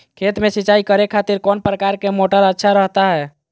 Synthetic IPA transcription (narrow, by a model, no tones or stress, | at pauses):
kʰeːt̪mẽsiːt͡ʃaːikəɾekʰaːt̪iɾkɔːnpɾəkaːɾkemoːʈəɾətːʃʰaɾəɦt̪aɦɛː